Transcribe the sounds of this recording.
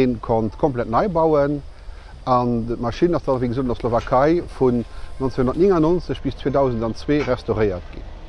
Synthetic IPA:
eːnkʰontkʰomplæt̚nɑɪbɑʊən | ɑndəmɑʃinɑsd̥ɑːɑviːɡəzoːdndɐslovakʰɑɪfunnont͡sseŋhondɐtniŋɑnonsəɕb̥ist͡sweːdɑʊzəndɑnt͡sweːʁɛstoʁəɪɐ̰tɡ̥ḭn

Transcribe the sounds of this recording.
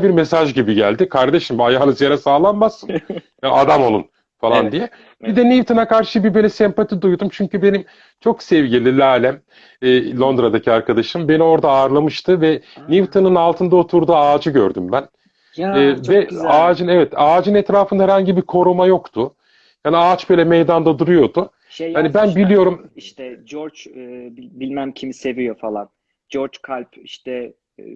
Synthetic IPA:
biɾmesaʒɟibiɟæ̰lʲd̪ikʰaɾd̪e̞ʃimbajaːlˠɯzjeɾɛsaːlˠanmasːɯm | aad̪amo̞lˠun | falˠand̪ijɛ | bid̪ɛnʲivt̪ʰonakaɾʃɯbibølʲɛsɛmpat̪ʰid̪ujd̪umt͡ʃʰyɲcybe̞nim | t͡ʃʰo̞ksɛvɟilʲilʲaːlʲæmː | lˠo̞nd̪ɾad̪acʰiaɾkʰad̪aʃt̪ɯmbe̞nio̞ɾd̪aːɾlˠamɯʃt̪ʰɯvɛnivt̪ʰonɯnalˠt̪ʰɯnd̪aot̪ʰuɾd̪uːaːd͡ʒɯɟø̰ɾd̪ymbænː | vɛaːd͡ʒɯnɛvɛt̪aːd͡ʒɯnɛt̪ɾaːfɯnd̪ahɛɾhaɲɟibiɾkʰo̞ɾumajo̞kt̪ʰʊ | jaːniat͡ʃb̥øːlʲɛmejd̪and̪ad̪uɾujo̞d̪u | haibænbilʲijo̞ɾumiʃt̪ɛd͡ʒoɾt͡ʃːibilʲmæmcʰimise̞vijo̞falˠan | d͡ʒoɾt͡ʃkʰalʲpiʃt̪ɛ

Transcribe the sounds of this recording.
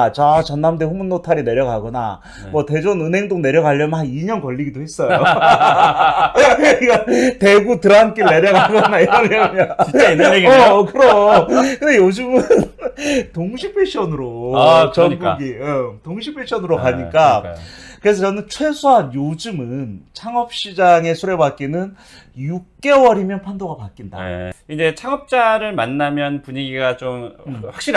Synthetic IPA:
t͡ɕat͡ɕʌnːamdeɸumunːotʰaɾine̞ɾjʌɡɦaɡʌna̰ | mwʌte̞d͡ʑonɯnɦe̞ŋdoŋne̞ɾjʌɡɦaʎːʌmɯnɦaniɲʌnkʌʎːiɡidoɦe̞s͈ʌjo | iɡʌte̞ɡutɯɾʌank͈eɭne̞ɾjʌɡaɡʌnaiɾʌɲjʌɲʌ | kɯɾʌkɯndejod͡ʑɯmɯntoŋɕʰipʰeɕ͈ʰʌnɯɾot͡ɕʌɲɡuɡiʌtoŋɕʰipʰeɕʰʌnɯɾokaɲik͈akɯɾesʰʌt͡ɕʌnɯnt͡ɕʰwe̞sʰoɦanjod͡ʑɯmɯnt͡ɕʰaŋʌp̚ɕ͈id͡ʑaŋe̞sʰuɾe̞bak͈inɯn | juk̚k͈e̞wʌɾimjʌnpʰandoɡapak͈inda̰id͡ʑe̞t͡ɕʰaŋʌp̚t͡ɕ͈aɾɯɭmanːamjʌnpuɲiɡiɡat͡ɕomɸwakɕ͈iɾi

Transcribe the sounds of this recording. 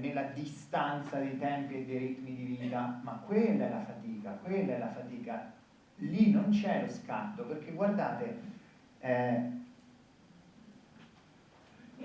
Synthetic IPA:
nelːad̪ist̪ant̪sad̪ejt̪ɛmpied̪ːejɾit̪mid̪iviːt̪amakːwelːaɛlafat̪iːkakwelːaɛlafat̪iːka | linːont͡ʃɛloska̰nt̪operk̟ːeɡward̪aːt̪e | ɛ

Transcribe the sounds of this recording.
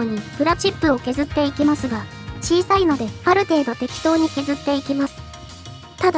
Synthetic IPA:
ɲ̟ibɯ̟ɾat͡ɕipːɯ̟o̞ke̞zɨt̪ːe̞ikʲimasɨɡa | t͡ɕiːsaino̞d̪e̞aɾɯ̟t̪e̞ːd̪o̞t̪e̞kʲi̥t̪o̞ːɲ̟ike̞zɨt̪ːe̞ikʲimasɨ̥ | t̪ad̪

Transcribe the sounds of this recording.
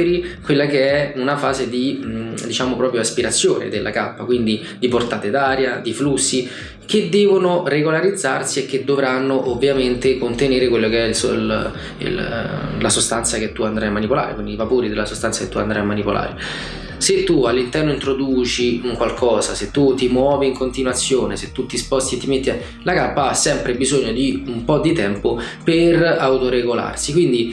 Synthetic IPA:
ɾikwelːakeɛunafaːzed̪id̪it͡ʃaːmopɾɔːpɾjoaspiɾat̪sːjoːnḛd̪elːʔa̰kapːakwind̪i | d̪iport̪aːt̪ed̪aːɾjad̪iflusːi | k̟ed̪ːɛːvonoreɡolaɾid̪zːarsiekːed̪ːovɾanːoʔovːjament̪ekont̪eneːɾekwelːokeɛlso̰l | ḭllasost̪ant̪saket̪ːuand̪ɾajamːanipola̰ːɾḛkwindivapoːɾid̪elːasost̪ant̪aket̪ːuand̪ɾajamːanipola̰ːɾe | set̪ːualːint̪ɛrnoint̪ɾod̪uːt͡ʃiuŋkwalkʰɔːzaset̪ːut̪ːimwɔːviːŋkont̪inwat̪sːjoːneset̪ːut̪ːispɔst̪iet̪ːimet̪ːia | lakapːaasːɛmpɾebizoɲːod̪iumpɔd̪ːit̪ɛmpoperawt̪oɾeɡola̰rsikwind̪i

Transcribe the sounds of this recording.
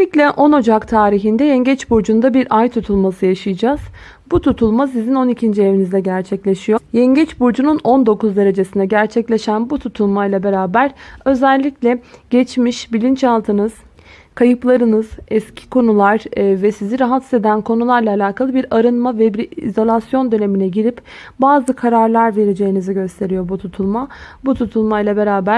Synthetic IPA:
iclʲɛʔo̞no̞d͡ʒakt̪ʰaːɾiɦind̪ɛjɛɲɟɛt͡ʃbuɾd͡ʒund̪abiɾʔajt̪ʰut̪ʰulˠmasɯjaʃɯjɯd͡ʒaz̥ | but̪ʰut̪ʰulˠmasizino̞nicʰind͡ʒievinizd̪ɛɟæɾt͡ʃʰɛclʲeʃijo̞jɛɲɟɛt͡ʃbuɾd͡ʒununo̞nd̪o̞kuzd̪e̞ɾe̞d͡ʒe̞sind̪ɛɟæɾt͡ʃʰɛclʲe̞ʃænbut̪ʰut̪ʰulˠmajlˠabe̞ɾaːbæɾø̞zælʲːiclʲɛɟ̥ɛt͡ʃmiʃbilʲint͡ʃalˠt̪ʰɯnɯz̥ | kʰajɯplˠaɾɯnɯz̥ɛscʰi̥kʰo̞nulˠaɾvɛsiziɾaɦat̪ʰsed̪ænkʰo̞nulˠaɾlˠaːlʲaːkʰalˠɯbiɾaɾɯnmavɛbiɾḭzolʲˠasjo̞nd̪ø̞ne̞minɛɟiɾipbaːzɯkʰaɾaɾlˠaɾve̞ɾed͡ʒe̞jiniziɟø̞st̪ʰe̞ɾijo̞but̪ʰut̪ʰulˠmabut̪ʰut̪ʰulˠmajlˠabe̞ɾaːbæ

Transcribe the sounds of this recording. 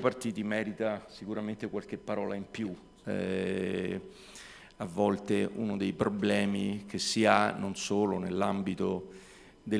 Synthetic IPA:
part̪iːt̪imɛːɾit̪asikuɾament̪ekwalk̟epːaɾɔːlaimpju | ɛ̰ | avːɔlt̪eʔunod̪ejpɾoblɛːmik̟esːianonsoːlonelːambit̪o | d̪e

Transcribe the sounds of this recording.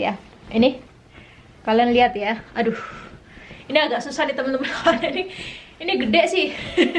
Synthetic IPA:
ja | ini | kalanliɦat̪jaadʊ | iniaɡaʔsusahnit̪əmənt̪əməawanainiiniɡədɛʔsɪh

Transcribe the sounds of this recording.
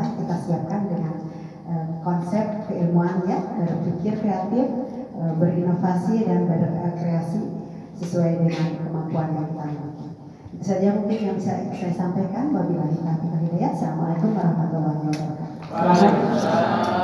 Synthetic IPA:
kit̪asiap̚kandəŋan | ʔəkɔnsɛp̚t̪̚kəilmuanɲadaɾat̪̚fikɪrkɾeat̪ɪfəbərinofasidanbaɾak̪əkɾeasi | səsuajdəŋankəmampuanjaŋt̪au | d͡ʒit̪usad͡ʒamuŋkɪnjaŋsa̰isajasampajkanbabilanit̪akit̪anilajat̪salamalat̪umaɾabat̪alaŋata | aa

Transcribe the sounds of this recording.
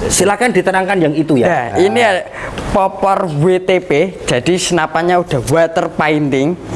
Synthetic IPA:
silakand̪it̪ənaŋkanjaŋit̪ujaainipɔpɔrwet̪eped̥ʒ̥a̤d̥isənapaɲaud̥a̤wat̪ərpaint̪ɪŋ

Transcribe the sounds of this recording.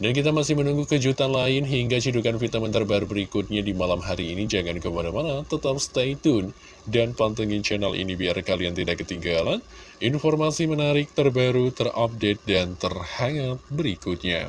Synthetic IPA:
dankit̪amasɪhmənuŋɡukəd͡ʒut̪anlaɪnɦiŋɡat͡ʃidukanfit̪amənt̪ərbaɾubəɾikʊt̪̚ɲadimalamɦaɾiːnid͡ʒaŋankəpadamanat̪ət̪ap̚st̪ait̪ʊn | danpant̪əŋɪnt͡ʃɛnalʔḭnibiarkalijaŋt̪idaʔkːət̪iŋɡalan | ʔinformasimənaɾɪk̚t̪ərbaɾut̪ərʔap̚det̪̚dant̪ərhaŋat̪̚bəɾikʊt̪̚ɲa̰

